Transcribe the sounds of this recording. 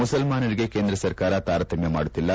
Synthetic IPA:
usɐlmaːnɐɾiɡekeːnd̪ɾɐsɐɾkaːɾɐt̪aːɾt̪ʰɐmjɐmaːɽut̪ːilːɐ

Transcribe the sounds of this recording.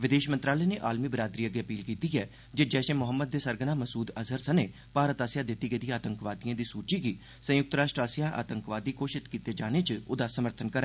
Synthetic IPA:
ʋɪd̪eːʃmənt̪ɾaːləɛːneːʔaːlmiːbɾaːd̪ɾiːəɡeːəpiːlkiːt̪iːɛː | d͡ʒeːd͡ʒɛːsẽːmʊɦəmːəd̪ːeːsəɾɡənaːməsuːd̪əzəɾsəneː | paːɾət̪aːsjaːd̪ɪt̪ːiːɡəd̪iaːt̪əŋkʋaːd̪iãːd̪iːsuːt͡ʃiːɡiː | sə̃jʊk̚t̪ɾaːʃʈɾaːsɪjaːʔa̰ːt̪əŋkʋaːd̪iːkoːʃɪt̪kiːt̪eːd͡ʒaːneːt͡ʃo̰ːd̪aːsəməɾt̪ʰənkəɾɛː

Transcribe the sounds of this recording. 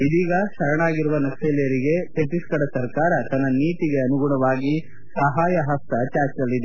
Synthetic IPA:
id̪iːɡɐʃɐɾɐɳaːɡiɾuʋɐnɐkʂeːlɛjɐɾiɡe̞t̪eʈiskɐɽɐsɐɾkaːɾɐt̪ɐnːɐniːt̪iɡe̞ɐnuɡuɳɐʋaːɡi | sɐɦaːjɐɦɐst̪ɐt͡ʃaːɾt͡ʃɐlːid̪e

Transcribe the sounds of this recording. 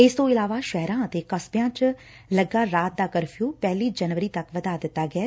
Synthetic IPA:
ɪst̪õːɪlaːʋaːʃɛɦɾãːət̪eːkəsbjãːt͡ʃ | ləɡːaːɾaːt̪̚d̪aːkəɾpʰijuːpɛːliːd͡ʒənʋəɾiːt̪əkʋəd̪aːd̪ɪt̪ːaːɡɪɛː

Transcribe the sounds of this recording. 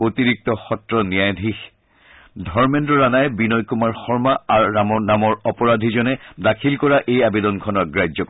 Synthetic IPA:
otiɹik̚tɔxɔtɹɔnijajd̪ʱix | dʱɔɹmɛndɔɹanajbinɔjkumaɹxɔɹmaaɹːamɔnamɔɹɔpɔɹad̪ʱizɔnɛdakʰilkɔɹaʔejabedɔnkʰɔnɔɡɹajɔk

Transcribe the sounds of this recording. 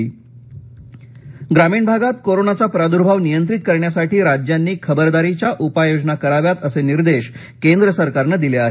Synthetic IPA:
ɡɾamiːɳbʱaɡat̪koɾonat͡sapɾad̪uɾbʱaʋnijənt̪ɾit̪̚kəɾɳjasaʈʰiːɾad͡ʑjanːiːkʰəbəɾd̪aɾit͡ɕjaʔupajod͡ʑnakəɾaʋjat̪əseniɾd̪eɕ | kend̪ɾəsəɾkaɾnəːd̪ileaɦe

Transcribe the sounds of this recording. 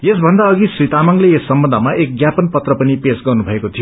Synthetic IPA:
jesbʱʌnd̪aʌɡisrit̪amʌŋleesːʌmbʌnd̪ʱʌmaʔek̚ɡjapʌnpʌt̪rʌpʌnipesɡʌrnubʱʌekot̪ʰijo

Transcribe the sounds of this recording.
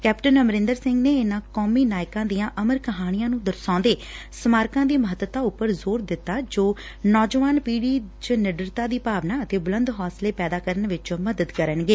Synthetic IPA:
kɛːpʈənəməɾɪ̃nd̪əɾsɪ̃ŋɡneːɪnãːkɔːmiːnaːɪkãːd̪ijãːʔəməɾkəɦaːɽ̃ijãːnũːd̪əɾsɔ̃ːnd̪eː | səmaːɾkãːd̪iːməɦət̪ət̪aːʊpːəɾzoːɾd̪ɪt̪ːaːd͡ʒoː | nɔːd͡ʒəʋaːnpiːɽiːt͡ʃnɪɖɾət̪aːd̪iːpaːʋnaːət̪eːbʊlənd̪ɦɔːsleːpɛːd̪aːkəɾənʋɪt͡ʃməd̪əd̪kəɾənɡeː

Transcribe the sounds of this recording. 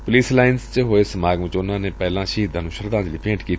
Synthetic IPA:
pʊliːslaːɪnst͡ʃəɦoːesəmaːɡmɪt͡ʃʊnãːneːpɛːlãːʃiːd̪ãːnũːʃəɾd̪ãːd͡ʒliːpẽːʈkiːt̪

